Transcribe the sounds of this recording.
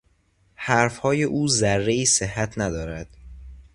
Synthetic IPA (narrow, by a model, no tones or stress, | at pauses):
hæɾfhɒːje̞ʔuːzæɾːe̞iːsehːæt̪ʰnæd̪ɒːɾæd̪̥